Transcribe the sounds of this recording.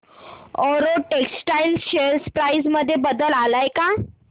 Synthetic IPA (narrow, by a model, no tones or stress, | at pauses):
ɔɾoʈeksʈajlɕeɾspɾajsməd̪ʱːjebəd̪əlalajka